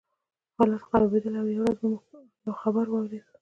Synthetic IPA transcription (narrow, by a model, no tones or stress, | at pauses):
xɑlat̪qɑɾɑbed̪əlawjawɾazumu | jawxabaɾwɑwɾed̪